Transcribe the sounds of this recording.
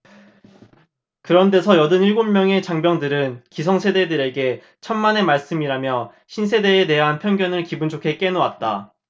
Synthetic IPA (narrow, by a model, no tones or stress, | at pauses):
kɯɾʌnde̞sʰʌjʌdɯniɭɡomːjʌŋe̞t͡ɕaŋbjʌŋdɯɾɯnkisʰʌŋsʰe̞de̞dɯɾe̞ɡe̞ | t͡ɕʰamːane̞maɭs͈ɯmiɾamjʌ | ɕʰinsʰe̞de̞ːte̞ɦanpʰjʌŋɡjʌnɯɭkibunt͡ɕʰokʰe̞k͈e̞noat̚t͈a